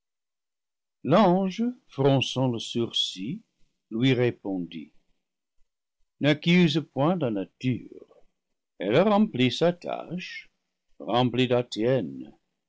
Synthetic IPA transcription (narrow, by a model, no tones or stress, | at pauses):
lɑ̃ʒəfʁɔ̃sɑ̃ləsyʁsi | lɥiʁepɔ̃dḭ | nakyzəpwɛ̃lanaty̰ʁ | ɛ̰laʁɑ̃plisatʰa̰ʃ | ʁɑ̃plidatjɛn